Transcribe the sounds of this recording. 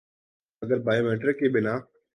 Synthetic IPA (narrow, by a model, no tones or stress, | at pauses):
ɐɡəɾbaːjomẽɳʈəɾkeɓɪnaː